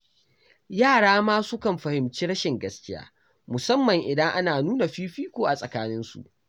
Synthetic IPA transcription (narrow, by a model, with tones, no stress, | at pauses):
jaː˦˨ɽaː˦maː˦sʊ˦kɐ˨mɸɐ˨hɪ˨mt͡ʃiː˦ɽɐ˦ʃɪ˨ŋɡɐ˦skʲɪ˦ja̰ː˦ | mʊ˨sɐ˦mːɐ˨ŋʔɪ˨dɐ˦ŋʔa˦naː˨nuː˦na˨ɸiː˦ɸiː˦kʷoː˨ʔa˨sʼɐ˨kaː˦nɪ˦nsṵ˨ʔ